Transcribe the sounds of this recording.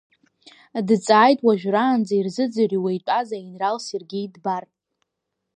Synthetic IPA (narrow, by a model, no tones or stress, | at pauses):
dt͡sʼaːjtʼwaʒᶣraːnd͡zairzɨd͡zariwejt͡pʷʼazainralserɡʲijdbar